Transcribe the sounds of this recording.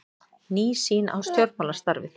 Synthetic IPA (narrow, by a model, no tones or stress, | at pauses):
niːsiːnʔa̰wst̪jɔɾt̪maːlḁst̪aɾvɪ̰θ